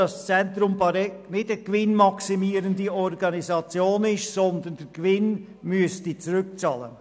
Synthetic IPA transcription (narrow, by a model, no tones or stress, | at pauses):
ɑst͡sɛntɾʊmbɑɾɛknɪtɛɡ̥vɪnmɑksimiːəɾəndiɔɾɡɑnizɑt͡sjoːnɪʃsɔndənd̥ɛɾɡ̥vɪn | myəstit͡suɾʏk̚t͡sɑːlə̰n